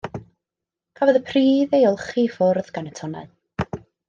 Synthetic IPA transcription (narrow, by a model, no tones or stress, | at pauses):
kʰavɔðəpʰriːðejɔlˠχifʊrðɡ̥anətʰɔna̰l